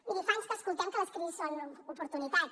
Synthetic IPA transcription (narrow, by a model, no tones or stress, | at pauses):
iðifanst̪askulˠt̪aŋkələskɾisanupuɾt̪unit̪at̪